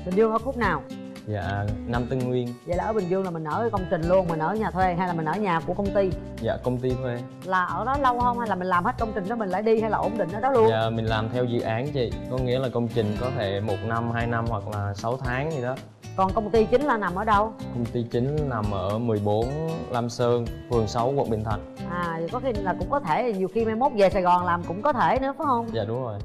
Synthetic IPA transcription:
ɓï˨˩ŋ̟zɨ˧əŋəː˧˦fu˦˥k͡p̚naː˨˩w | za̰ː˧˨na˧mt̪ɨ˧ŋŋwi˧ənza̰˧˨laː˨˩əː˧˦ɓï˨˩ŋ̟zɨ˧əŋlaː˨˩mï˨˩ŋ̟ʔəː˧˩kə˧wŋ͡mt͡ɕï˨˩ŋ̟lu˧ənmï˨˩ŋ̟ʔəː˧˩ɲaː˨˩t̪ʰwe˧ɦa˧jlaː˨˩mi̟˨˩ʔəː˧˩˦ɲaː˨˩ku˧˩əkə˧wŋ͡mt̪i˧ | za̰ː˧˨kə˧wŋ͡mt̪i˧t̪ʰwe˧ | laː˨˩ʔəː˧˩ɗɔ˨˦lə˧whəː˧ŋ͡mha˧jlaː˨˩mï˨˩laː˨˩mhe˦˥t̚kə˧wŋ͡mt͡ɕï˨˩ŋ̟ɗaː˨˦mï˨˩ŋ̟la̰ː˧˦jɗi˧ha˧jlaː˨˩ʔo̰˧˩nɗï˧˨ŋ̟ʔəː˧˦ɗɔ˨˦lu˧əaː˧˨mï̟˨˩laː˨˩mt̪ʰɛ˧wzɨ̰˧˨ʔaː˨˦nt͡ɕḭ˧˨kɔ˨˦ŋḭ˧˥laː˨˩kə˧wŋ͡mt͡ɕï˨˩ŋ̟kɔ˨˦t̪ʰe˧˩mo˨˩t̚na˧mhaː˧jna˧mhwa˨˩k̚laː˨˩sa˨˦wt̪ʰaː˨˦ŋɲɨ˧ɗɔ˨˦ | kɔ˨˩nkə˧wŋ͡mt̪i˧t͡ɕi˨˦ŋ̟laː˨˩na˨˩mʔəː˧˩ɗə˧wkə˧wŋ͡mt̪i˧t͡ɕï˨˦ŋ̟na˨˩mʔəː˧˩mɨ˨˩əjɓo˨˦nlaː˧msəː˧nfɨ˨˩əŋsa˨˦wku˨˩t̚ɓḭ˨˩nt̪ʰwə̰˧˩jŋʔaː˨˩˨kɔ˨˦xi˧˨laː˨˩kʊ̰˧˥ŋ͡mkɔ˨˦t̪ʰe˧˩˨ɲi˨˩əwxi˧ma˧jmo˦˥t̚ve˨˩saː˨˩jɣɔ˨˩nlaː˨˩mkʊ̰˧˥ŋ͡mkɔ˨˦t̪ʰe˧˩nɨ̰˧˥əfa˨˦hə˧wŋ͡mza̰ː˧˨ɗʊ˨˦ŋ͡mzo˨˩j

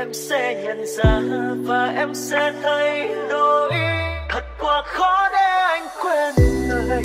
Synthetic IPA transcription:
ʔɛ˧msɛ̰˧ɲə˨˩nzaː˨˩˧vaː˨˩ʔɛ˧msɛ˧˥t̪ə˧jɗo˧ʔi˧t̪ʰə˨˩t̚kwaː˧˩xɔ˨˦ɗɛ˧ʔa˧jŋ̟kwe˧n˨˧˨

